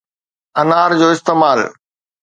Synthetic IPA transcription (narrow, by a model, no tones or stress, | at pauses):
ɐnaːɾd͡ʑoːɪst̪eːmaːl